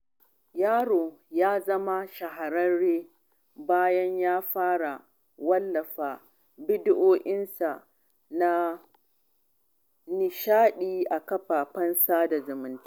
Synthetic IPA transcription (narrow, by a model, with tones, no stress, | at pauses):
jaː˦ɽoː˨jaː˦zɐ˦ma˦ʃɐ˨ɦa˨ɾɐ˦nɽeː˦ | baː˦jɐ˦ɲjaː˦ɸaː˦ɽa˨ | wɐ˦lːɐ˨ɸaː˨ | bɪ˦dɪ˦ʔoː˦ʔɪ˦nsa˨ | na˦ | nɪ˨ʃaː˦ɗiː˦ʔa˨kɐ˦ɸaː˨ɸɐ˦nsaː˦da˨zʊ˨mɪ˨˦ntḁ˦